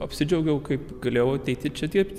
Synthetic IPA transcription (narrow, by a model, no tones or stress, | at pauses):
ɐpʲsʲɪd͡ʒʲɛʊɡʲɛʊkɐɪpɡɐlʲeːjɛʊɐt̪ʲɛɪt̪ʲɪt͡ʃʲɛd̪ʲip̪ʲ